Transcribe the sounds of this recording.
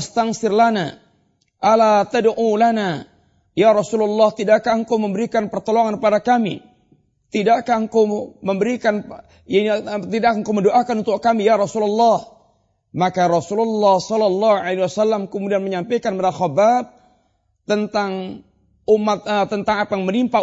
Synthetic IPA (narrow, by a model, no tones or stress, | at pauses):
st̪aŋsɪrlana | ʔalat̪adʔulana | jaɾɔsulalːɑht̪idaʔkaəŋkawməmbəɾikanpərt̪oloŋanpadakamḭ | t̪idakahəŋkowməmbəɾikan | t̪idakəŋkawməndoʔakanunt̪ʊkkːamijaɾɔsulalːɑh | makaɾɔsululːɑhsɔlɔlːɑhuʕalewasalːamkəmudianməɲampajkanmaɾaxɔbab̚ | t̪ənt̪aŋ | umːat̪̚t̪ːənt̪aŋapajŋmənimpa